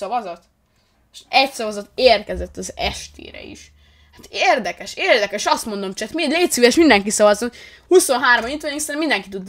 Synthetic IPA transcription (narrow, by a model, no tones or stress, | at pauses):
ɔvɒzot̪ | ʃɛcsɒvɒzot̪ːeːrkɛzɛt̪ːɒzɛ̰ʃt̪ʰḛːɾɛ̰ḭʃ | hat̪eːrd̪ɛkɛʃeːrd̪ɛkɛʃɒst̪mo̞nd̪omt͡ʃɛt̪miɛdleːt̪syɛʃmind̪ɛŋkisɒvɒzot̪ | huso̞nɦaːɾomɒɲit̪oɲiksɛmind̪ɛŋkit̪ud̪